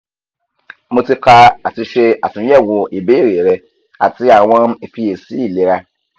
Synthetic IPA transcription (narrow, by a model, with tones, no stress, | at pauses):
mõ˧ti˦ka˧a˨tɪ˧ʃe˧a˨tʊ̃˨˦ɛ˦˨wʊ˨e˨be˦˨ɾe˨ɾɛ˨ | a̰˨tɪ˦a˨w̃ɔ̃˦i˨fi˦je˨si˦i˦˨le˨˦ɾa˦